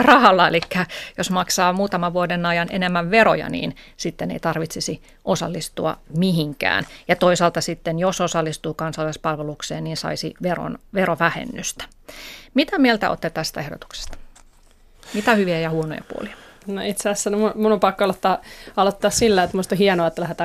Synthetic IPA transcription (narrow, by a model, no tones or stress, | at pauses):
rɑhɑlːɑelikːæjosmɑksɑːmuːt̪ɑmɑʋʋuodenɑjɑnenemːæʋʋeɾo̰jɑ̰nḭːnsit̪ːenḛit̪ɑrʋit̪sisi | ʔosɑ̰lːist̪uɑ̰miɦiŋkæ̰ːnjɑt̪oisɑːlt̪ɑsit̪ːenjososɑlːist̪uːkɑnsɑlːˑɑispɑlʋelukseːnniːnsɑ̰isḭʋero̰nʋeroʋæhḛnːyst̪æ̥ | mit̪æmielt̪æ̰o̰t̪ːet̪æst̪æehdo̰t̪u̥kse̥st̪ɑ̥ | mit̪æhyʋiæjɑhuono̰jɑ̰pṵo̰liɑ̥ | noit̪seæsːænmumulompɑkːoɑlot̪ːɑːɑlot̪ːɑːssilːæet̪muist̪ohiɛnoɑet̪ːælæhet̪æː